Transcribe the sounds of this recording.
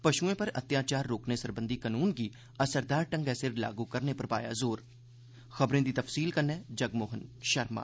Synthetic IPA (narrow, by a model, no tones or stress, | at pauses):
pɐʃuẽpɐɾɐ̰t̪jaːt͡ʃaːɾːoːknesɐɾbə̃nd̪ʱikənuːnki | ɐsəɾd̪aːɾʈə̃ŋɡɛːsɪɾla̰ːɡukəɾnepɐɾpa̰ːja̰zoːɾ | xɐbɾẽd̪it̪ɐfsiːlkəɾnẽːd͡ʒɐɡmoːɦənʃɐɾma̰ː